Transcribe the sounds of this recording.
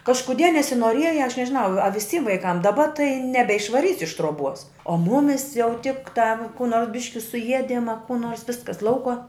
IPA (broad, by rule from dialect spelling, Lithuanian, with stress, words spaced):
kɐʃkʊˈdʲiɛ nʲɛsʲɪnuɔˈrʲiɛjɛ ɐʃ nʲɛʒʲɪˈnɐʊ ɐ ʋʲɪˈsʲiːm ʋɐɪˈkɐm dɐˈbɐ tɐɪ nʲɛbʲɛɪʃʋɐˈrʲiːsʲɪ ɪʃ truɔˈbuɔs oː ˈmʊmʲɪs jɛʊ tʲɪktɑː kuː ˈnoːrs ˈbʲɪʃʲkʲɪ sʊˈiɛdʲɪm ɐ kuː ˈnoːrs ˈʋʲɪskɐs ˈlˠɐʊkuɔ